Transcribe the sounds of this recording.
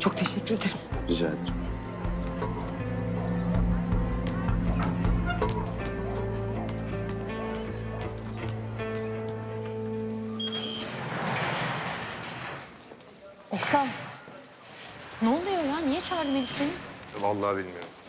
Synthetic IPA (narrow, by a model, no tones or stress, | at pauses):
t͡ʃʰok̚t̪ʰeʃɛcʰʲːyɾed̪eɾimid͡ʒa̰d̪ | ɛhsa | nulˠd̪ujojanijɛt͡ʃʰaɣaɾmeɡit͡ʃʰinvalˠːɑːbilʲmijoɾ